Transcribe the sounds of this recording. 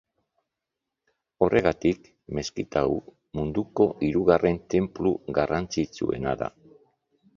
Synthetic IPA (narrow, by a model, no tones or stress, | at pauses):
o̞rʔe̞ɣ̞at̪ik | me̞skit̪au | mund̪uko̞ʔiɾuɣarʔe̞nt̪e̞mpluɣarant͡sit͡sue̞̰naða̰